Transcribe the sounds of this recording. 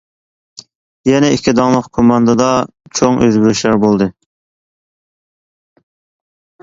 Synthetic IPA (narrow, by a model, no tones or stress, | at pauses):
jɛnɛikʲʰːid̪ɑŋlˠəqkʰomɑnd̪ɨd̪ɑ | t͡ʃʰoŋʔøzbyɾyʃlæɾbolˠd̪ɨ